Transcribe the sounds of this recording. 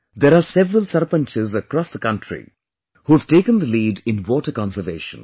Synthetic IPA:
d̪eːɾaːsɛʋɾəlsəɾpə̃nt͡ʃɪzəkɾɔːsd̪əkʌ̃nʈʰɾḭ | huːæʋ̥ʈeːkə̃nd̪əliːɖɪ̃nwɔːʈəɾkɑ̃nsəʋḛːʃə̰̃n

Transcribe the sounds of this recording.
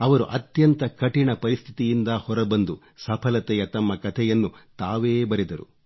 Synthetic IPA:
ɐʋɐɾṵʔɐt̪jɐnt̪ɐkɐʈiɳɐpɐɾist̪ʰi̥t̪ijind̪ɐhɔɾɐbɐnd̪u | sɐpʰɐlɐt̪ɛjɐt̪ɐmːɐkɐt̪ʰɛjɐnːut̪aːʋeːbɐɾid̪ɐɾṵ

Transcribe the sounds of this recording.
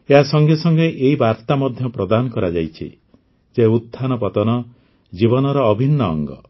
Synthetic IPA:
eɦasɔŋɡesɔŋɡeʔeɦibaɾt̪amɔd̪ʱjɔpɾɔd̪anɔkɔɾad͡ʒajt͡ʃʰḭ | d͡ʒeut̪ʰːanɔpɔt̪ɔnɔ | d͡ʒibɔnɔɾɔːbʱinːɔ̰ːŋɡɔ̰

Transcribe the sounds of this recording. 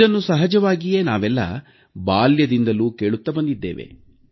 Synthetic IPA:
ɐnːusɐɦɐd͡ʒɐʋaːɡije̞ːnaːʋɛlːɐ̰ | baːljɐd̪ind̪ɐluːke̞ːɭut̪ːɐbɐnd̪id̪ːḛːʋḛ

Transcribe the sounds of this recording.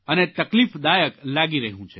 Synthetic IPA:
ənet̪əklifd̪ajəklaɡiɾəɦũt͡ʃʰe

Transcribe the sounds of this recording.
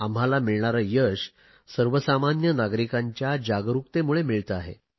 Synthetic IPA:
amɦalamiɭɳaɾəjəɕ | səɾʋəsamanjənaɡɾikaɲt͡ɕjad͡ʑaɡɾuk̚t̪emuɭemiɭt̪əaɦḛ

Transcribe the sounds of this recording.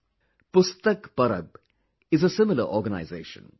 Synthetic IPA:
pʊst̪əkpɐɾə̰b̚ | ɪzəsɪmɪlə̰ʔɔːɡəna̰ɪzeːʃə̰̃n

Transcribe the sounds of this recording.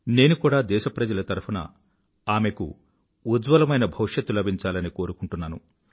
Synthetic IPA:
ne̞ːnukuːɽaːd̪ɛːʃɐpɾɐd͡ʒɐlɐt̪ɐɾupʰɐnɐ̰ | aːme̞kṵ | ud͡ʒʋɐlɐmɐjnɐbʱɐwʂjɐt̪ːulɐbʱiɲt͡ʃaːlɐniko̞ːɾukuɳʈunːaːnṵ

